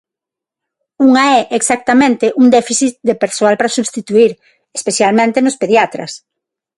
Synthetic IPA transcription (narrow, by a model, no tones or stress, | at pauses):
uŋɐɛʔeksak̚t̪amẽnt̪eʔuŋd̪ɛfiθit̪̚d̪epeɾsoalpɾɐsuβst̪it̪uiɾ | espeθjalmẽnt̪enʊspeðjat̪ɾɐ̰s